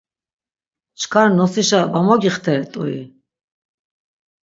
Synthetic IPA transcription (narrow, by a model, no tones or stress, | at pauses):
t͡ʃʰkʰaɾnɔsiʃabamɔɡiχt̪ʰɛɾɛt̪ʼṵḭ